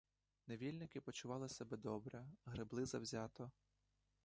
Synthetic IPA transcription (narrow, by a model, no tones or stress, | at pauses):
neʋʲilʲnɪkɪpɔt͡ʃʊʋɑlˠɪsɛbɛd̪ɔbɾɛɦɾɪblˠɪzɐwzʲat̪ɔ